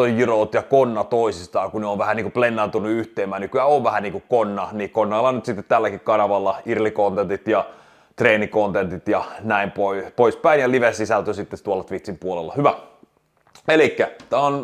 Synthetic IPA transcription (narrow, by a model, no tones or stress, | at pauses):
ojjiroːt̪jɑkonːɑt̪oisist̪ɑːŋkunneoʋʋæhæniːŋkuplenːɑnt̪unːuyht̪ˑeːmːæːnykyæːoʋʋæhæniːŋkukkonːɑnikonːɑːlːɑnyt̪sit̪ːet̪tælːækikkɑnɑʋɑlːɑirlikont̪ent̪it̪jɑ | t̪reːnikont̪ent̪it̪jɑnæimpoipoispæinjɑliʋesisælt̪øsit̪ːet̪uolːɑt̪ʋit̪simpuolelːɑ̰hyʋæ | elikːæt̪æon